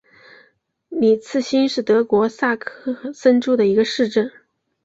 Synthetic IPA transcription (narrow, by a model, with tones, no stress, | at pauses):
ni˨˩t͡sʰɹ̩˥˩ɕi˥nʂɻ̩˥˩t̪ɤ˧˥kwɔ˧˥sa˥˧kʰɤ˥˩sə˥nʈ͡ʂu˥˩d̪ə˩i˧˥ɡə˧ʂɻ̩˥˧ʈ͡ʂə˥˩n